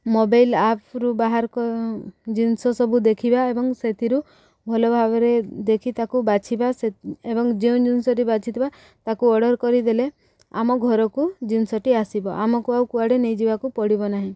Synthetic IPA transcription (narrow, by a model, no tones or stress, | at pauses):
mobajlapʰɾubaɦaɾkɔd͡ʒinsɔsɔbʱud̪ekʰibaebɔŋset̪ʰiɾu | bʱɔlɔbʱabɔɾed̪ekʰit̪akubat͡ʃʰibaseebɔŋd͡ʒeũd͡ʒinsɔɾibat͡ʃʰit̪ʰiba | t̪akuɔɽɔɾkɔɾid̪ele | a̰mɔɡʱɔɾɔkud͡ʒinsɔʈiasibɔʔamɔkuawkuaɽenejd͡ʒibakupɔɽibɔnaɦĩ